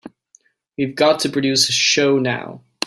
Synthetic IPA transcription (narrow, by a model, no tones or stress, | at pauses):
wivɡɑtʰɨpʰɹ̥ɨdʉsɨʃoʊna̰ʊ